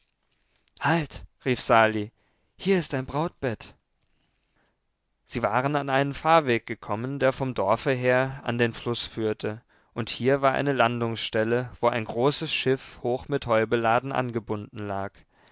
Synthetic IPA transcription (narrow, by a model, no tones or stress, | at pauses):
haltʁiːfz̥aːli | hiːɐɪstd̥aɪnbʁaʊt̚b̥ɛt | z̥iːvaːʁənanʔaɪnənfaːɐveːk̚ɡ̥əkʰɔməndeːɐfɔmdɔɐfəɦeːɐa̰ndeːnflʊsfyːɐtʰə | ʔʊnthiːɐvaːɐʔa̰ɪnəlandʊŋsʃtɛləvoːʔa̰ɪnɡʁoːsəsʃɪfhoːxmɪthɔʏbəlaːdn̩ʔa̰nɡəbʊndn̩laːk